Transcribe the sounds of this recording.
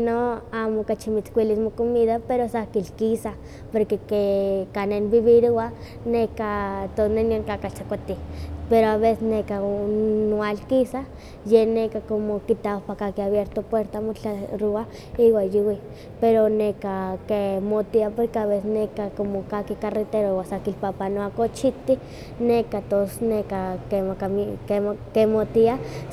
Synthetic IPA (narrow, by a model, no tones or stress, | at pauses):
noamokat͡ʃimit͡skʷilismokomiðapeɾosakilkisa | poɾkekekanenbiβiɾua | nekat̪oneniaŋkakat͡ʃakʷat̪ipeɾoaβesesnekaowalkisa | jenekakomokit̪aapakakiaβjeɾt̪opweɾt̪amot͡ɬaɾua | iwajiwi | peɾonekakemot̪iapoɾkeaβesesnekakomokakikaret̪eɾoiwasakilpapanoakot͡ʃit̪i | nekat̪osnekakemakaikekemot̪ia